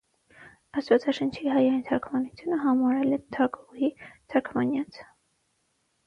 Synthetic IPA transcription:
ɑst̪vɑt͡sɑʃənt͡ʃʰiɦɑjɑjnt̪ʰɑkʰmɑnut͡sʰjunəɦɑmɑɾɛlɛt̪ʰɑkʰuhit̪ʰɑkʰmɑnjɑt͡sʰ

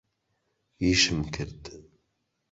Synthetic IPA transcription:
iʃɨmkʰɨɾd̪

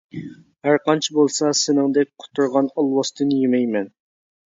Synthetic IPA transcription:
hæɾqɑnt͡ʃʰibolˠsɑsɪnɪŋd̪ɛk̚ʲqʰʊ̥t̪ʰːuɾʁɑnɑlˠwɑst̪ʰɨnjemɛjmɛn

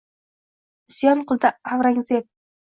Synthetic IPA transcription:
ɪsjɒnqʊlˠd̪aavɾaŋzep̚

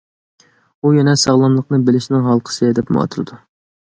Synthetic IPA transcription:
ujɛnɛsɑʁlˠɑmlˠəqnɨbɪlɪʃnɪŋɦɑlˠqʰə̥sɨd̪ɛpm̰ɑ̰ːt̪ʰɨɾɨd̪u

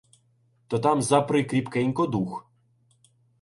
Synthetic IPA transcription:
t̪ɔt̪ɑmzɐpɾɪkɾʲipkɛjinkɔd̪ux

